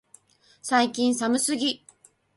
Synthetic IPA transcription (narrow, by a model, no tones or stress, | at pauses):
saikʲĩɰ̃samɯ̟sɨɡʲi